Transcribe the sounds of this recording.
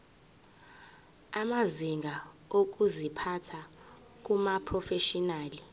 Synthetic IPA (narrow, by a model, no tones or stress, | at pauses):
amaziŋɡʱaok̬ʼuzipʰatʰa | k̬ʼumapʰrɔfeʃɔnaːli